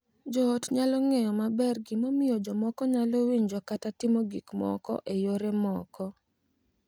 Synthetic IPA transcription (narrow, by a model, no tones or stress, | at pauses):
d͡ʒɔːtɲalɔŋɛjɔmabɛrɡɪmomɪod͡ʒɔmɔkɔɲalowiɲd͡ʒɔkatatɪmoɡikmɔ̰kɔ̰ʔejoɾemɔkɔ